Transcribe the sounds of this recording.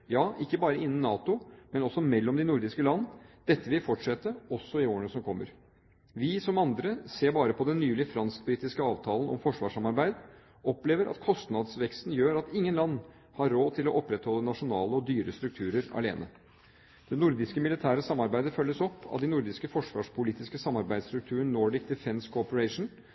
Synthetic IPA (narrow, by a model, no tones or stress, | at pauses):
jɑːʔɪkːəbɑːɾəɪnːən̩nːɑːt̪ʊmɛnɔsɔmɛlːɔmd̪ɪnʊɾd̪ɪskəlɑnːəd̪̥ɛt̪ːəʋɪlfɔʈʂɛt̪ːəɔsːɔɪoːəɳəsɔmkʰɔmːə̰ɾ | ʋɪsɔmɑnd̪ɾəseːɾbɑːɾəpʰɔd̪ɛnːyːlɪfɾɑnsk̚bɾiːt̪ɪskəɑːʋt̪ʰɑːlənɔ̰mfɔʂʋɑːʂɑmɑɾbæɪd̪ | ɔpleːʋəɾʔɑ̰t̪kʰɔst̪nɑd̪sʋɛkst̪n̩jøːɾɑt̪ɪŋːənlɑnː | hɑɾːoːt̪ʰɪlɔʔɔpːɾɛt̪hɔlːənɑʂʊnɑ̰ːləɔd̪yːɾəst̪ɾʉk̚t̪ʰʉːɾəɾɑ̰lḛːnʔə̰ | d̪̥ɛnʊɾd̪ɪskəmɪlɪt̪ʰæːɾəsɑmːɑɾbæɪd̪əfœlːəsɔpːɑ̰ʋd̪ɪnʊɾd̪ɪskəfɔʂʋɑ̰ːʂpʰʊliːt̪ɪskəsɑmːɑɾbæɪd̪st̪ɾʉk̚t̪ʰʉːɾəɳnoːɖɪk̚d̪ɛfɛnskʰʊɔpəɾɛɪʂn̩